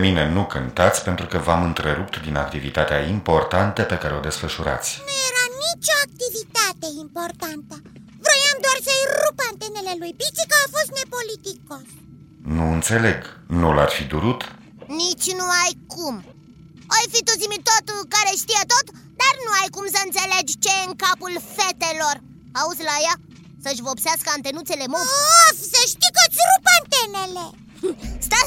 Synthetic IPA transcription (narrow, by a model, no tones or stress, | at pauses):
mine̞nukɨnt̪at̪sʲpe̞nt̪ɾukəvamɨnt̪ɾeɾup̚t̪d̪ina̰k̚t̪ivḭt̪at̪eaimpo̞rt̪ant̪əpe̞kaɾeod̪e̞sfəʃuɾa̰t̪sʲnujeɾanit͡ʃʲo̞ak̚t̪ivit̪at̪e̞impo̞rt̪ant̪ə | vɾojamd̪oarsəjrupeant̪e̞ne̞le̞lujpit͡ʃikəafo̞st̪ne̞po̞lit̪iko | nuɨnt̪se̞le̞ɡnularfid̪uɾut̪ | nit͡ʃʲnuajkum | ojfit̪uzimit̪ot̪ukaɾe̞ʃt̪ijet̪o̞t̪ | d̪arnuajkumsəɨnt̪se̞led͡ʒt͡ʃe̞jeɨŋkapulfe̞t̪elo̞r | auzlaja | səʃʲvəopseaskəant̪e̞nut̪se̞le̞moafsəʃt̪ikət̪sʲɾupaant̪enele | st̪a